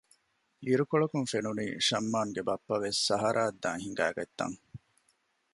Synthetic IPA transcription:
iɾukoɭɐkuŋfenuniːʃɐmːaːŋɡebɐpːɐʋesːɐɦɐɾʔaːd̪ːaːŋɦiŋɡæ̰ːɡɐt̪ːɐ̰ŋ

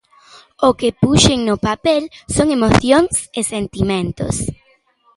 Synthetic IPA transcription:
okepuʃeŋnopapelsoŋemoθjoŋsesent̪imẽnt̪o̰s

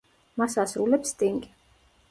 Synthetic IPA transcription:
masasɾulɛpst̪ʼiŋɡʼi

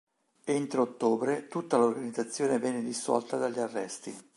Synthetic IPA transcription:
ent̪ɾeot̪ːoːbɾet̪ut̪ːalorɡanid̪zat̪sːjoːnevjɛːnːed̪isːɔ̰lt̪ad̪aʎːarːɛ̰st̪i

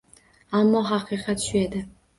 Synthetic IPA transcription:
amːɒɦɑqʰɨqʰɑt̪ʃʊe̞d̪ɪ

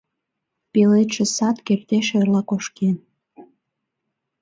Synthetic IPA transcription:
pelet̪ʃĕsɑt̪kept̪eʃerlɑkoʃken

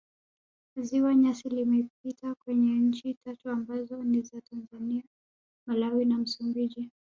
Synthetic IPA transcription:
ziwaɲasilimɛp̚itakwɛɲɛɲ̩t͡ʃitatuambazɔnizatanzania | malawinam̩sumbiʄi

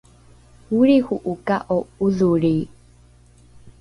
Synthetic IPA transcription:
huɾihuʔukaʔouðuɾi

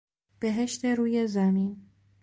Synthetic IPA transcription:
b̥eɦeʃt̪eɾuːjezamiːn

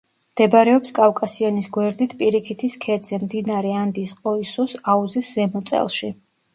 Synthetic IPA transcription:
md̪̥ɛbɾɛɔpskʼafkʼasiɔnisɡwɛɾd̪it̪ʰpʼiɾikʰit̪ʰiskʰɛd̪z̥ɛmd̪inaɾɛand̪isqʼɔisusauziszɛmɔt̪sʼɛ̰lˠʃi

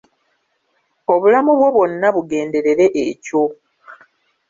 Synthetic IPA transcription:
o̞βulamuβwo̞βwo̞nːaβuɡe̞ːnde̞ɾe̞ɾe̞ʔeco̞

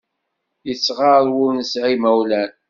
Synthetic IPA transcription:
jət͡sːʁaɾwunsʕimæwlæn

